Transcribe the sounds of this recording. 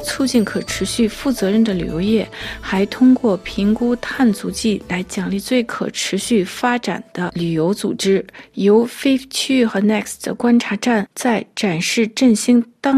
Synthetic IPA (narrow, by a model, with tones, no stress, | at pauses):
t͡sʰu˥˧t͡ɕi˥˩nkʰɤ˨˩ʈ͡ʂʰɻ̩˧˥ɕy˥˧fu˥˩t͡sɤ˧˥ɻə˥˩nd̪ə˩ly̰˨˩jo˧˥ʊjɛ˥˩xa˧˥ɪt̪ʰʊ˥ŋkwɔ˥˩pʰi˧˥ŋku˥t̪ʰa˥˩nt͡su˧˥t͡ɕi˥˩la˧˥ɪt͡ɕjɑ˨˩ŋli˥˧t͡swe˥˩ɪkʰɤ̰˨˩ʈ͡ʂʰɻ̩˧˥ɕy˥˩fa˥ʈ͡ʂa̰˨˩nd̪̥ə˦ly˨˩jo˧˥ʊt͡sṵ˨˩ʈ͡ʂɻ̩˥jo˧˥ʊfe˥ɪt͡ɕʰy˥xə˧˥nɛ˥˩ksd̪ə̰˩kwa˥nʈ͡ʂʰa˧˥ʈ͡ʂa˥˩nt͡sa˥˩ɪʈ͡ʂa˨˩nʂɻ̩˥˧ʈ͡ʂə˥˩nɕi˥ŋt̪ɑ˥